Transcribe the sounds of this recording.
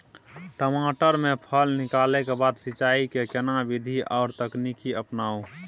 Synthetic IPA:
ʈəmaːʈəɾmẽpʰəlnɪkaːlekebaːd̪sɪt͡ʃaːikekenabid̪ʱiʔɔːɾt̪əknikiəpnaːu

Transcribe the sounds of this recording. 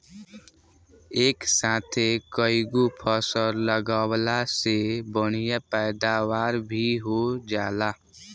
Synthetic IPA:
eːksaːt̪ʰekəɪɡupʰəsəɾləɡawlasebəɽ̤ijapɛːd̪awaːɾbʱiɦod͡ʒaːla

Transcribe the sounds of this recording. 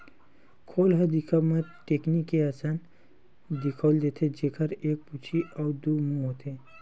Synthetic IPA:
kʰoːlɦɐd̪ikʰəmaʈeːknikːeaːsaːn | d̪ɪkʰoːld̪eːt̪ʰed͡ʒeːkʰəɾeːk̚put͡ʃʰiʔɔːd̪uːmũɦoːt̪ʰeː

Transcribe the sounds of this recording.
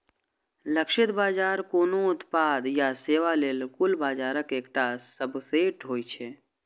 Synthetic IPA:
ləkʃɪt̪baːd͡ʒaːɾkoːnoʊt̪paːd̪jaseːʋaleːlkʊlbaːd͡ʒaːɾəkeːkʈasəbseʈoːit͡ʃʰe

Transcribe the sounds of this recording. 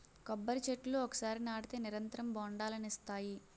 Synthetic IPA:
kɔbːɐɾit͡ʃeʈːluɔkɐ̥saːɾinaːɽit̪eːniɾɐnt̪ɐɾɐmbɔːɳɖaːlɐnist̪aːji

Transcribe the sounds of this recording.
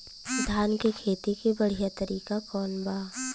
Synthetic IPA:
d̪ʱaːnkekʰeːt̪ikebɐɽ̤ijat̪əɾiːkakɔːnbaː

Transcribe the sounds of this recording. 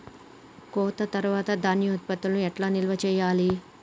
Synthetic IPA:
kɔːt̪ɐt̪ɐɾuʋaːt̪ɐd̪aːnjɐt̪pɐt̪ːulnuɛʈlaːnilɐʋɐt͡ʃɛːjaːli

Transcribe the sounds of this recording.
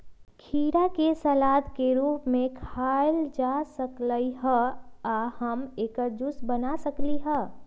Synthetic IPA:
kʰiːɾakesəlaːd̪ʱkeɾuːpmẽkʰald͡ʒasəkləiɦəahəmeːkəɾd͡ʒusbənasəkliɦə

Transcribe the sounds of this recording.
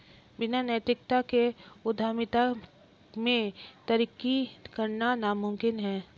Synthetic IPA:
ʋɪnanət̪ɾɪk̚t̪akeʊd̪ʱaːmɪt̪a | mẽt̪ɐɾikikəɾnanamʊmkɪnɦɛ̃ː

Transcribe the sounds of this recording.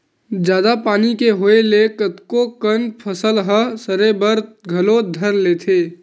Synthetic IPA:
d͡ʒjaːd̪apaːnikeɦoelekət̪kokənpʰəsəlɦəsəɾebəɾɡʱəlod̪ʱəɾleːt̪ʰeː

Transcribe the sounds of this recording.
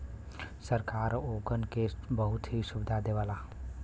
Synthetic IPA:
səɾkaːɾoːɡənkesbəɦʊt̪ɦisʊbɪd̪ʱad̪eʋaːla

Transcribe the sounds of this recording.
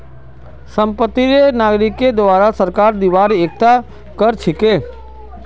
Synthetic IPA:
səmpət̪ːiɾenaɡɾiked̪ʋaɾasəɾkaɾd̪iʋaɾek̚t̪a | kəɾt͡ʃʰeke

